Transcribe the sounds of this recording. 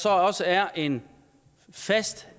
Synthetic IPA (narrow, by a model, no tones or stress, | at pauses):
sɒ̽ɒ̽səæɐʔe̝n | fæsd̥